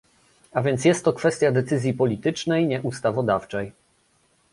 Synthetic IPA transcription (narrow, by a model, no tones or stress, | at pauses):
avʲjɛnt̪sjɛst̪ːɔkfɛst̪ʲjad̪ɛt̪sɘzʲjipɔlʲit̪ɘt͡ʂnɛjɲɛʔust̪avɔd̪aft͡ʂɛj